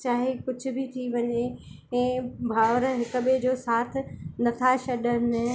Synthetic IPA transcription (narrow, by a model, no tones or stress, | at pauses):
t͡ɕaːɦikʊd͡ʑʱʊ̆bʱɪt̪ʰiʋɐɲe | ɛ̃ːbʱaːʋɾɦɪkʊ̆ɓed͡ʑoːsaːt̪ʰɪ̆nɐt̪ʰaʃɐɗənɪ̆